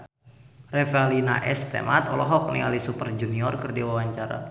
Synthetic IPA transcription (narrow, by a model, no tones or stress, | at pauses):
rɛfealinaʔɛst̪ḛmat̪ɔlɔɦɔk̚nialisupərd͡ʒuniɔrkɨrdiwawaɲt͡ʃaɾa̰